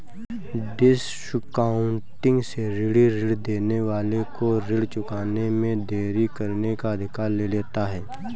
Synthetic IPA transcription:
ɖɪs | ʃkaːʊ̃ɳʈɪ̃ŋɡseɾɪɽiɾɪɽd̪eːneʋaːlekoɾɪɽt͡ʃʊkaːnemẽd̪ʱeːɾikɐɾnekaɐd̪ʱɪkaːɾleleːt̪aɦɛː

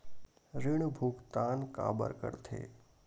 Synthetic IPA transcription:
ɾɪɳ̃bʱukt̪anka̰bə̰ɾkə̰ɾt̪ʰḛ

